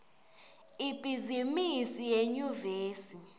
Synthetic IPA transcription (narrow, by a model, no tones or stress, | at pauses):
ib̥ʱizimisijeɲuveːsi